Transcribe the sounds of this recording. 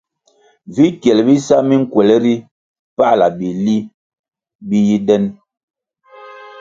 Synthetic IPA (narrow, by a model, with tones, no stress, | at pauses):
vi˨˦kjɛ˨lbi˦sa˦mi˦ŋ̩˦˨kwɛ˨lɛ˦ɾi˦ | pa˦˨la˨bi˨li˦ | bi˦ji˦dɛ˦n